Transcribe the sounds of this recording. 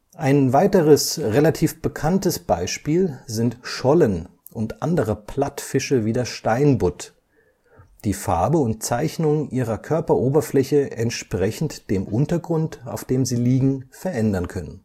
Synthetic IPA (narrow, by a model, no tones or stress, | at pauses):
ʔaɪnvaɪtəʁəsʁelatʰiːfb̥əkʰantəsb̥aɪʃpiːlzɪntʃɔlən | ʔʊntʔandəʁəpʰl̥atfɪʃəviːdeːɐʃtaɪnbʊt | d̥iːfa̰ɐbəʊnt̚t͡saɪçnʊŋʔiːʁ̞ɐkʰœɐpɐʔoːbɐflɛçəʔɛntʃpʁ̥ɛçn̩td̥eːmʔʊntɐɡʁʊnta̰ʊfd̥eːmziːliːɡŋ̩fɛɐʔɛndɐnkʰœnən